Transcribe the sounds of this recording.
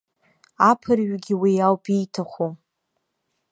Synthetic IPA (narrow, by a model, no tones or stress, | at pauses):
apʰɨrɥɡʲiwijawpijtʰaχʷu